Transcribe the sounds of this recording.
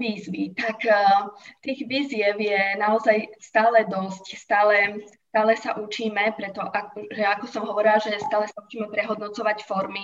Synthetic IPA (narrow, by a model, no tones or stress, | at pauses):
ʋiːzʋit̪akː | t̪iːɣʋiːzɪɛʊjɛnaɔzajst̪aːlɛd̪ɔscst̪aːlɛst̪aːlɛsaʔut͡ʃiːmɛpɾɛt̪ɔʔakʒɛakɔsɔmɦɔʋɔɾilaʒɛst̪aːlɛsaut͡ʃiːmɛpɾɛɦɔd̪nɔt͡sɔʋacfɔɾmi